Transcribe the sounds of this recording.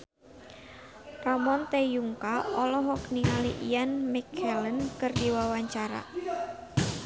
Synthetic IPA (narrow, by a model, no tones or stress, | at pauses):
ramɔnt̪ejuŋkaɔlɔɦɔkniŋaliʔianmikʰɛlənkɨrdiwawaɲt͡ʃaɾa̰